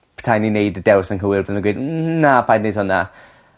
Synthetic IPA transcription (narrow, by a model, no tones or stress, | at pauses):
pʰə̥tʰajninejdədɛwsənkəwɪrvoðməɡweːdnapʰajdned̥hʊna